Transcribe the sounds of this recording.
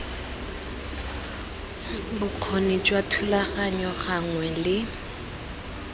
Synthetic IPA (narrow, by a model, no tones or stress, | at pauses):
bʊq͡χʰonit͡ʃʼwatʰulaɣaɲɔχaŋwɛlɪ